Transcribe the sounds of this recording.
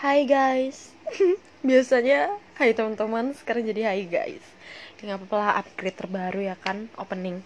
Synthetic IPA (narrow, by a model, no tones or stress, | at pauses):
haiɡajs | biasaɲahajit̪əmənt̪əmansə̥kaɾaŋd͡ʒadiɦaiɡa̰js | aŋapapalaa̰p̚ɡɾet̪ːərbaɾujakano̰pənɪŋ